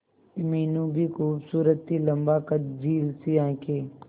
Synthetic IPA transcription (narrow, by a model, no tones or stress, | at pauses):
miːnũːbʱikuːbsuːɾət̪ːiləmbaːkət̪d͡ʒʱiːlsiãːkʰeː